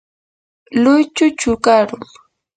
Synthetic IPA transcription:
lʊjt͡ʃʊt͡ʃʊkaɾʊŋ

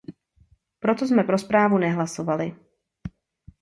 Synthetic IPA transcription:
pɾo̞t̪osmɛpɾo̞spɾaːvunɛɦlasovalɪ

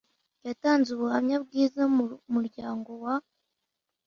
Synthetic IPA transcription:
jataːnzuβuhamɲabɡiːzamuɾɟaːŋɡo̞wa

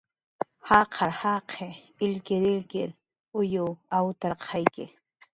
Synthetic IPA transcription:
hɑqʰɑɾhɑqʰe | ɪlkɪɾɪlkɪɾ | ʊjʊwawt̪aɾqʰɑjkɪ

